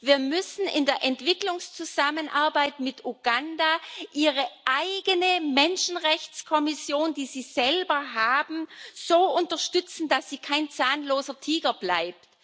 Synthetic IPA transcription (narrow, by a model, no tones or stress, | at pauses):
viːɐmʏsn̩ʔɪ̰ndeːɐʔɛntv̥ɪklʊŋst͡suzamənʔaɐbaɪtmɪtʔuɡandaʔiːʁəʔaɪɡənəmɛnʃn̩ʁɛçt͡skʰɔmɪsjoːnd̥iːziːz̥ɛlbɐɦaːbm̩z̥oːʊntɐʃtʏt͡sn̩dasz̥iːkʰaɪnt͡saːnloːzɐtʰiːɡɐblaɪp̚t